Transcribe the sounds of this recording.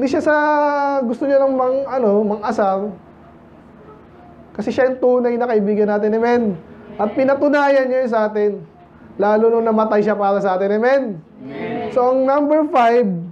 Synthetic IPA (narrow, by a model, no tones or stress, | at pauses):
ʔɪnd̪iʃasɐɡʊst̪oɲanɐŋmɐŋɐno̞mɐŋʔɐsaw | kɐsɛʃajʊŋt̪uːnajnɐkɐʔɪbiːɡɐnːaːt̪ɪnɪmɛnʔɐt̪̚pɪnɐt̪ʊnaːjɐnːajʊs̬ɐʔaːt̪ɛn | laːlononɐmɐt̪ajʃapaːɾɐsɐʔaːt̪ɪnɛmɛn | so̞ʔɐŋnambɛɹfajb